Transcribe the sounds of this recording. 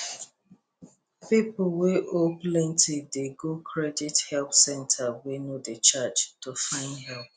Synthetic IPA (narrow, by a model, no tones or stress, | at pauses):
pipʊl̩weʔoplɛ̃ntʰideɡokʰɹɛdithɛlpsɛ̃ntʰawenodət͡ʃat͡ʃtufãɪ̃ndɦɛlp̚